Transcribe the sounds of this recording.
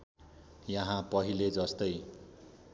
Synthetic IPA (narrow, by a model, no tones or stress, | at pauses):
jʌɦãpʌɦiled͡zʌst̪ʌj